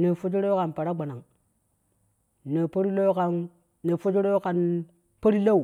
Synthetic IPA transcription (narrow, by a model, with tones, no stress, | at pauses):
ne˨fo˦t͡ʃi˦ɾo˦ka˨npa˨ɾa˦ɡ͡ba˨na˨ŋ | ne˨po˦ɾi˦lo˦ka˨nː | e˨fo˦t͡ʃi˦ɾo˦ka˨n | pa˦ɾi˦la˦u˨